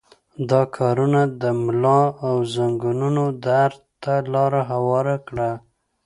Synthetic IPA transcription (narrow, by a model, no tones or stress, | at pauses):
d̪ɑkʰɑɾunad̪əmlɑawzaŋɡununod̪aɾt̪alɑɾaɦawɑɾakɽa